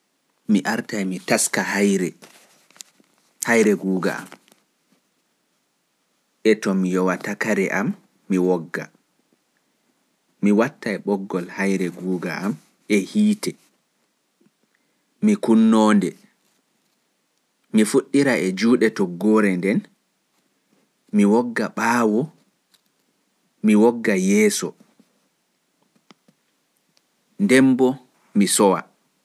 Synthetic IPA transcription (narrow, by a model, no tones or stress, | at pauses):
miʔaɾtajmitaskahajɾɛ | hajɾɛɡuːɡa̰a̰m | ʔɛtɔmijɔwatakaɾɛʔamː | iwɔɡːa̰ | miwatːajɓɔɡːɔlhajɾɛɡuːɡa̰am | ɛhiːtɛ | mikunːɔːndɛ | mifuɗːiɾaʔɛd͡ʒuːɗɛtɔɡːɔːɾɛndɛn | miwɔɡːaɓaːwɔ | miwɔɡːajɛːsɔ | ndɛmbɔ | misɔwa̰